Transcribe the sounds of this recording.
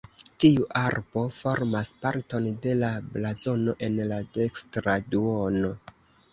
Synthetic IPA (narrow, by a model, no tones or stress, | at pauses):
tiuʔaɾbo̞fo̞ɾmaspaɾto̞nde̞lablazo̞no̞ʔe̞nlade̞kstɾaduo̞no